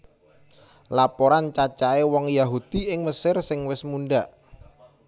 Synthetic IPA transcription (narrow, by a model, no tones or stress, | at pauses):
lapoɾant͡ʃat͡ʃaewɔŋjaɦud̪̥i̤ɪŋməsɪrsɪŋwɪsmunɖaʔ